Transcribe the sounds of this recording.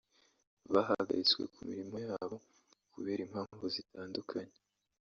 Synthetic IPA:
βaɦaɡa̰ɾit͡skwe̞̰kumiɾimo̞jaːβo̞ | kuβe̞ːɾimhaːɱvuzitaːndukʰaɲe

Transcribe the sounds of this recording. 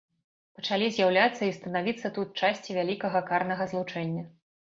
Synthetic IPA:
pɐt͡ʂalʲizʲjawlʲat̪sːɐist̪ɐnavʲit̪sːɐt̪ut̪̚t͡ʂasʲt͡sʲivʲalʲikɐɣɐkarnɐɣɐzlˠut͡ʂɛnʲːɐ

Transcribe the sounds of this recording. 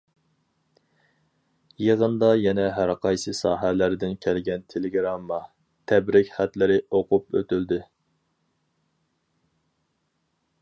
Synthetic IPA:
jeʁənd̪ɑjɛnɛɦæɾqʰɑjsɨsɑːɦælæɾd̪ɪnkʲʰælɡʲɛnt̪ʰeleɡɾɑmːɑ | t̪ʰɛbɾɪkʲχæt̪lɪɾɪoqʰʊpøt̪yld̪ɪ

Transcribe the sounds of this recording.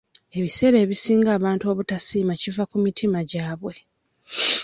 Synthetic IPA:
e̞βise̞ɾe̞ːβisiːŋɡaːβaːntuoβutasiːmacivakumitʰimaɟaːβwe̞

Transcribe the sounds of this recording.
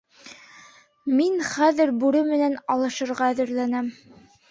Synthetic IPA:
minχæðɘɾbʉɾɘmɘ̆nænɑlˠɤ̆ʃɤ̆ɾʁɑæðɘ̆ɾlænæm

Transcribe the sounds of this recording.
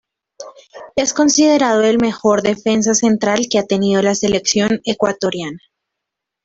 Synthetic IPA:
e̞sko̞nsið̞e̞ɾað̞o̞elme̞xo̞ɾðe̞fe̞ns̬ase̞nt̪ɾalke̞at̪e̞niðo̞lase̞le̞ksjo̞ne̞kwat̪o̞ɾjana

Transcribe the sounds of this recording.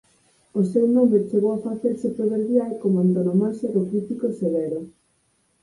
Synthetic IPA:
osewnomet͡ʃeɣowafaθeɾsepɾoβeɾβjalkomoant̪onomaʃeɾokɾifikoseβeɾo

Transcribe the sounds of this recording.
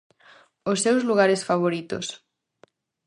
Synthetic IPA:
ʊsːewzluɣaɾesfaβ̞oɾit̪o̰s

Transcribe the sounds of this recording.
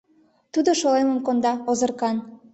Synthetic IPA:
t̪ud̪oʃoleməmkond̪ɑozərkɑn

